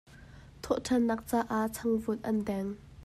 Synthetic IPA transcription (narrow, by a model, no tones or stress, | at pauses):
t̪ʰɔʔtʰɐnːɐk̚t͡saːʔaʔt͡sʰɐŋvʊt̪̚ʔɐndɛŋ